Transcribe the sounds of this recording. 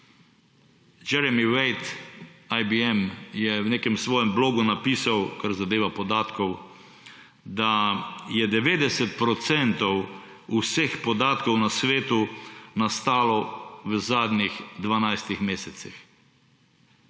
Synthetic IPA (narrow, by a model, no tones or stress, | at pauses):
d͡ʒɛɾɛmiwɛjt̪ajbiɛmjɛwneːkɛmsʋɔːjɛmbloːɡunapiːsawkaɾzad̪eːʋapɔd̪aːt̪kɔw | d̪ajɛd̪ɛʋeːd̪ɛsɛt̪pɾɔt̪sɛnt̪ɔw | usexpɔd̪aːt̪kɔwnasʋeːt̪unast̪aːlɔʋəzaːd̪nixd̪ʋanajst̪ixmeːsɛt̪six